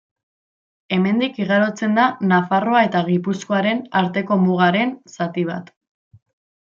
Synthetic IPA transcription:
e̞me̞nd̪ikiɣ̞aɾo̞t͡se̞nd̪anafaro̞ae̞t̪aɣipusko̞aɾe̞naɾt̪e̞ko̞muɣ̞aɾe̞nsat̪iβ̞a̰t̪

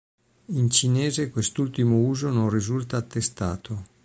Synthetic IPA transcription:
int͡ʃineːzekwest̪ult̪imouːzononrizult̪aːt̪ːest̪a̰ːt̪ʰo

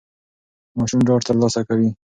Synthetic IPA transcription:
mɑʃumɖɑʈt̪əɾlɑsakawi

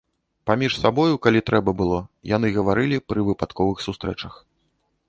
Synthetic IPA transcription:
pamʲiʂsabɔjukalʲit̪ɾʔɛbɐbɨlˠɔja̰n̪ɨɣɐvaɾɨlʲipɾɨvɨpat̪kɔvɨxsust̪ɾɛ̰t͡ʂɐx

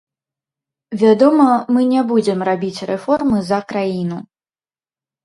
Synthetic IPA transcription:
vʲad̪ɔmɐmɨnʲabud͡zʲɛmrabʲit͡sʲrɛfɔrmɨzɐkɾajin̪u

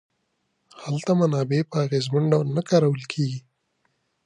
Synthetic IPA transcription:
halt̪amanɑbepəaɣezmaɳɖawlnakɑɾawəlkʰeɡi

